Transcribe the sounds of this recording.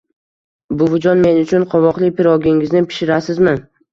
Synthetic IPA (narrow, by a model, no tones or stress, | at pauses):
bʊvʊd͡ʒɒnme̞nʊt͡ʃʰʊnqʰɒvɒqlˠɪpʰɪɾɒɡʲɪŋɪznɪpʰɪ̥ʃɪɾasɪzmɪn